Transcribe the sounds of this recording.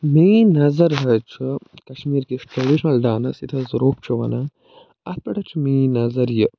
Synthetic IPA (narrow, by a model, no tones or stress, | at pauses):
miːnɐzɐɾɦɐt͡ʃʰikɐʃmiːɾkisʈɾɐɖiʃɐnɐlɖaːnɐsit̪ʰɐzɐɾoːp̚t͡ʃʰuʋɐ̰nɐ | ɐt̪̚pɐʈʰɐt͡ʃʰimiːnɐzɐɾjə